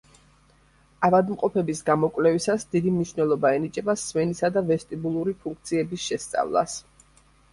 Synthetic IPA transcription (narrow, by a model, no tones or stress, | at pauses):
avad̪mqʼɔpʰɛbisɡamɔkʼwlɛvisasd̪id̪imniʃvnɛlˠɔbaɛnit͡ʃʼɛbasmɛnisad̪avɛst̪ʼibulˠuɾipʰuŋk̚ʰt̪sʰiɛbisʃɛst̪sʼa̰vlˠa̰s